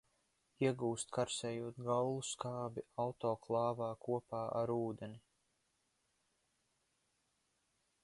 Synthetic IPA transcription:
iɛɡuːst̪kaɾsɛːjuɔt̪ɡawlˠuskaːbiawt̪ɔːklˠɑːvaːkuɔpaːʔa̰ɾuːd̪eni

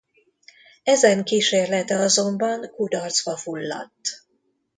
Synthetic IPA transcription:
ɛzɛŋkiːʃeːrlɛt̪ɛɒzo̞mbɒŋkud̪ɒrt̪zbɒfulːɒ̰t̪ː

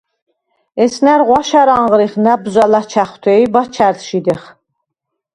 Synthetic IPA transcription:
ɛsnæɾʁʷɑʃaɾaɴʁɾiχnabzʷalat͡ʃʰæχt̪ʰɛibat͡ʃʰæɾt̪ʃid̪ɛχ

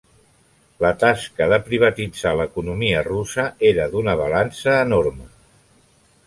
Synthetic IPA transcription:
lət̪askəðəpɾiβ̞ət̪id͡zaləkunumiərusəeɾəðunəβ̞alansəːnoɾmə

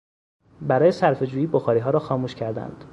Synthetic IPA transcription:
bæɾɒːje̞sæɾfe̞d͡ʒuːjiːboxɒːɾiːɦɒːɾɒːxɒːmuːʃcʰæɾd̪æ̰nd̪̥

